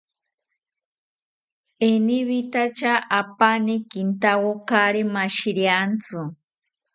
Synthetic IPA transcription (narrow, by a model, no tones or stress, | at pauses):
eniβit̪at͡ʃaʔapanikint̪awokaɾimaʃiɾjant͡sɨ